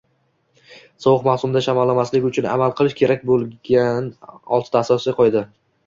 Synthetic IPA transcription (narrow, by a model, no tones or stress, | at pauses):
sɒwɨqmawsʊmd̪aʃamɒlːamaslɪkʲʊt͡ʃʰʊna̰malˠqʰɨlˠɪʃkʲe̞ɾak̚ʲbolˠɡʲanɒ̰lˠt̪ʰɪt̪ʰaːsɒsɪqʰɒjd̪ɪ